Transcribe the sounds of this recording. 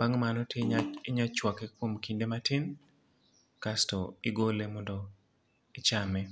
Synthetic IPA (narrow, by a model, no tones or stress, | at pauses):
b̥aŋmanɔtjeɪɲat͡ʃwakɛkwomkindematɪn | kastɔɪɡolemɔndɔ | ɪt͡ʃamɛ